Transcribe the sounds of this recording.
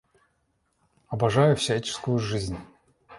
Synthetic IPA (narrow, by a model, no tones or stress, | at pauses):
ɐbɐʐajʊfsʲat͡ɕɪ̥skʊjʊʐɨzʲnʲ